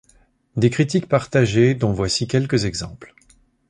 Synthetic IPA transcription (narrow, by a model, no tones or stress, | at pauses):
d̪ekχit̪̬ik̚paʁt̪aʒed̪ɔ̃vwasikʲɛlkəzɛɡzɑ̃pl